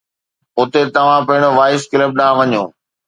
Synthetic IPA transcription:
ʊt̪et̪ɐʋ̤ãpɐɦɪɽ̃oʋaːɪskɪləp̚ɖãːʋɐɲõ̰ː

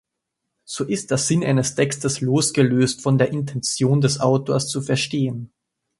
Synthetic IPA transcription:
z̥oːʔɪstd̥eːɐz̥ɪnʔa̰ɪnəstʰɛkstəsloːsɡ̥əløːstfɔndeːɐʔɪntʰɛnt͡sjoːndɛsʔaʊtoːɐst͡sufɛɐʃteːən

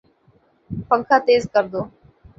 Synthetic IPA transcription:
pə̃ŋkʰat̪eːzkəɾd̪oː

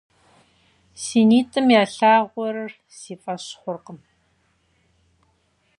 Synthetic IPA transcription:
siːniːtʰʼɨmjaːɬaːʁʷɔɾɐr | siːfʼɐɕχʷʊrqəm

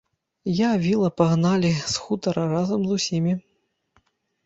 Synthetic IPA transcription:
javʲilˠɐpaɣnalʲisxut̪ɐɾɐɾazɐmzusʲimʲi

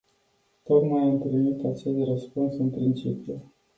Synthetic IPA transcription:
t̪o̞k̪majɨntlinit̪at͡ʃest̪rəspunsɨnpɾint͡ʃipju

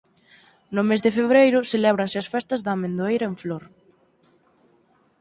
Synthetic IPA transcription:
nʊmezðefeβɾejɾʊselɛβ̞ɾɐnsɪɐsfɛst̪ɐzðaːmẽnd̪oejɾɐeɱfloɾ

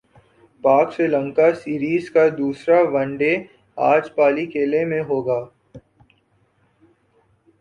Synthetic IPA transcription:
paːkselə̃ŋkasiːɾiːzkad̪uːsɾaʋə̃ɳɖe | a̰ːd͡ʒpaːlikeːlemẽɦoːɡaː

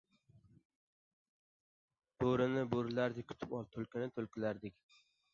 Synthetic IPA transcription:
b̥oɾɪnɪboɾlaɾd̪ɪk̚ʲkʰʊ̥t̪ʰɪpɒlˠt̪ʰolkʲɪnɪt̪ʰolkʲʰɪlaɾd̪ɪkʲ

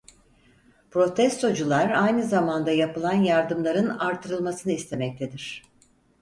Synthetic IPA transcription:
pɾo̞t̪ʰɛst̪ʰo̞d͡ʒulˠaɾajnɯzamand̪ajapɯlˠanjaɾd̪ɯmlˠaɾɯnaɾt̪ʰːɯɾɯlˠmasɯnɯist̪ʰe̞mɛc̚t̪ʰe̞d̪iɾ̝̥

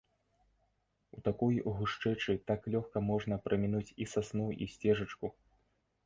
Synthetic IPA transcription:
ut̪akujɣuʂt͡ʂɛt͡ʂɨt̪aklʲɔxkɐmɔʐnɐpɾʔɐmʲinut͡sʲisasnuḭsʲt͡sʲɛʐɐt͡ʂku

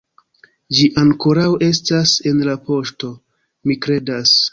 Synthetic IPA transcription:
d͡ʒiʔaŋko̞ɾawe̞stase̞nlapo̞ʃto̞ | mikɾe̞das

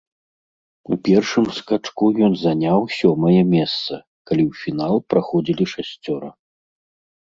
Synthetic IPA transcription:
upʲɛrʂɨmskat͡ʂkujɔnzanʲawsʲɔmɐjɐmʲɛst̪sɐ | kalʲiwfʲin̪alˠpɾaxɔd͡zʲilʲiʂasʲt͡sʲɔɾɐ

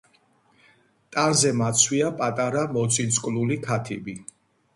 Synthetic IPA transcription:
t̪ʼanzɛmat̪sʰwiapʼat̪ʼaɾamɔt̪sʰisʼkʼlulikʰat̪ʰibi

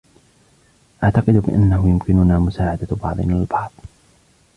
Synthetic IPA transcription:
ʔaʕt̪ɑqɨd̪bɪ̰ʔanːahʊjʊmkɪnʊnaːmʊsaːʕad̪abɑ̰ʕðˤnalbɑʕð̥ˤ

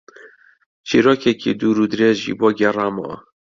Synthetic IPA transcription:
t͡ʃʰiːɾoːkɛkḭd̪uːɾuːd̪ɨɾeːzʒḭːboːɡʲɛrɑːmɔ̰

